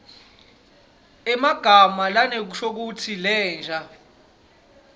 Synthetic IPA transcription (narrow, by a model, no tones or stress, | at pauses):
ɛmaɡ̥ʱamalanek̬uʃʰok̬utʰilɛːnd͡ʒʱa